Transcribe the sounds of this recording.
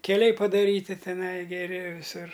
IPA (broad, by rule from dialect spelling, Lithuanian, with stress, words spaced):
kʲɛˈlʲɛɪ pɐdɐˈrʲiːtʲɪ tʲɛˈnɐɪ ɡʲɛˈrʲɪ ʋʲɪˈsʊr